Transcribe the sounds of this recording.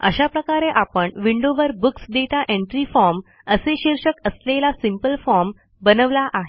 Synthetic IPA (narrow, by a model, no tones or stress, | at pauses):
ə̰ɕapɾəkaɾeʔapəɳʋiɳɖoʋəɾbuksɖ̪eʈaʔeɳʈɾifɔɾm | əseɕiɾɕəkəslelasimpəlfɔɾm | bənəʋlaʔaɦe